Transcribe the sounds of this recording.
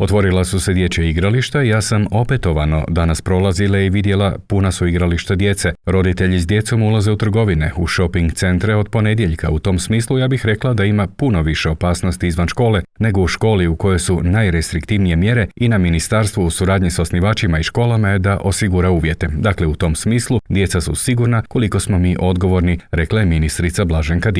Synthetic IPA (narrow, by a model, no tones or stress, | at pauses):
o̞t̪ʋo̞ɾilasuse̞d̪je̞t͡ɕeiɡɾaliʃt̪aijaːsamo̞pe̞t̪o̞ʋano̞̰d̪anaspɾo̞lˠazilaiʋid̪je̞lapunasuiɡɾaliʃt̪ad̪je̞t̪seɾo̞d̪it̪e̞ʎizd̪je̞t̪so̞mulˠaze̞ut̪r̩ɡo̞ʋineuʃo̞piŋɡt̪se̞nt̪ɾeo̞d̪po̞ne̞d̪je̞ʎkʰa̰ut̪o̞msmiːslˠujaːbixɾe̞klˠad̪aimapuno̞ʋiʃe̞o̞paːsno̞st̪iizʋanʃko̞ːle̞ne̞ɡo̞uʃko̞ːliuko̞jo̞jsunajɾest̪ɾikt̪iʋnije̞mje̞ɾe̞inaminist̪aɾst̪ʋuusuɾaːd̪ɲisosniʋaːt͡ʃimaiʃko̞ːlˠamaje̞d̪aʔo̞siɡuɾauːʋje̞t̪e̞d̪akle̞ut̪o̞msmiːslud̪je̞t̪sasṵsiɡuɾnako̞liko̞smo̞miːʔo̞d̪ɡo̞ʋo̞ɾniɾe̞klˠaje̞minist̪ɾit̪sablaʒeŋkad̪